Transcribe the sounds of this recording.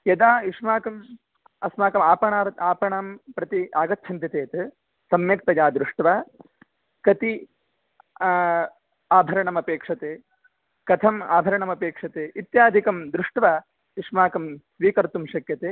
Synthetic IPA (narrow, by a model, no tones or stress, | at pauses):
jɐd̪aːiʂmaːkɐm | ɐsmaːkɐmaːpɐɳaːɾt̪aːpɐɳaːmpɾɐt̪iaːɡɐt̪ːt͡ʃʰɐnt̪jɐt̪eːt̪ | sɐmjɐk̚t̪ɐjaːd̪ɾuʂʈʋaː | kɐt̪i | aːbʱɐɾɐɳɐmɐpeːkʂɐt̪eː | kɐt̪ʰɐma̰ːbʱɐɾɐɳɐmɐpeːkʂɐt̪eːʔit̪jaːd̪ʱikɐmd̪ɾuʂʈʋaː | iʂmaːkɐmsʋiːkɐɾt̪umʃɐkjɐt̪eː